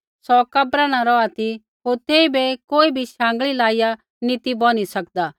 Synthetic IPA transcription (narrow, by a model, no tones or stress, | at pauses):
sɔkɐbɾañãɾɔat̪i | ɦoːɾt̪eːibekoːibʱiʃãːŋ̆ɡɭilaːɪja | nit̪ibɔnisɐkd̪aː